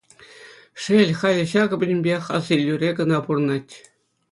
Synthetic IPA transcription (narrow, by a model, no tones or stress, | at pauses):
ʂelʲχɑlʲɤ̆ɕɑɡɤ̆bʲɘ̆nʲbʲeχɑzilʲːyrʲeɡɤ̆nɑpurɤnɑtʲ